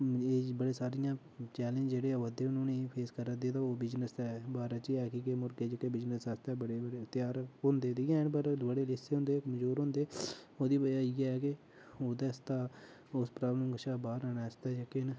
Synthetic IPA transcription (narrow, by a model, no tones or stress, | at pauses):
eːbəɽeːsaːɾɪjãː | t͡ʃɛːlẽnd͡ʒd͡ʒeːɽeːəd̪eːʊnũːniːpʰeːskəɾəd̪eːt̪ãːoːbɪd͡ʒnəsɛːbaːɾɛːt͡ʃiɛːkiːkemʊɾɡeːd͡ʒəkeːbɪd͡ʒnəsəst̪ɛːbəɽeːəɽt̪ɪjaːɾɦʊ̃nd̪eːd̪iːãːɪnp̬əɾbəɽeːlɪseːɦʊ̃nd̪eːkmd͡ʒuːɾɦõːnd̪eːoːd̪iːbəd͡ʒaiːɛɛːkɪ | oːd̪ɛːst̪aː | ʊspɾaːbləmɡəʃaːbaːɾaːnɛːst̪aːd͡ʒeken